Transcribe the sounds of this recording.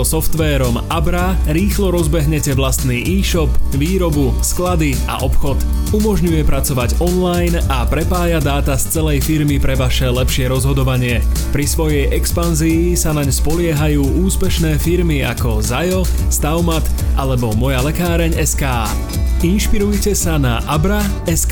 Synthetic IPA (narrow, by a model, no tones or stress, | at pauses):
sɔft̪ʋɛːɾɔm | abɾaɾiːxlɔɾɔzbɛɦɲɛcɛʋlast̪niːʔiːʃɔpʋiːɾɔbu | sklad̪i | a̰ʔɔpxɔt̪ | umɔʒɲujɛpɾat͡sɔʋaɟɔnlajn | apɾɛpaːjad̪aːt̪ast͡sɛlɛjfiɾmipɾɛʋaʃɛlɛpʃɪɛɾɔzɦɔd̪ɔʋaɲɪɛ | pɾisʋɔjɛjʔɛkspanziːsanaɲspɔlɪɛɦajuːuːspɛʃnɛːfiɾmia̰kɔzajɔst̪aʊmat̪ʔalɛbɔmɔjalɛkaːɾɛɲɛskaː | inʃpiɾujcɛsana̰ʔabɾa | ɛs